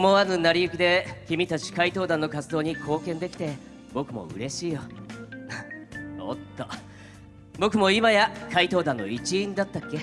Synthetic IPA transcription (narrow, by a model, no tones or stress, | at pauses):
moanɯnaɾʲiɯkid̪e̞kʲimʲit̪at͡ɕi̥kait̪o̞ːd̪ãnːo̞kat͡sɨd̪o̞ːɲ̟ikʰo̞ːkẽ̞nd̪e̞kʲi̥t̪e̞ | bo̞kɯ̟mo̞̰ɯ̟̰ɾe̞ɕiːjo | o̰t̪ːo | bo̞kɯ̟mo̞imajakait̪o̞ːd̪ãnːoit͡ɕĩːnd̪at̪ːakːe̞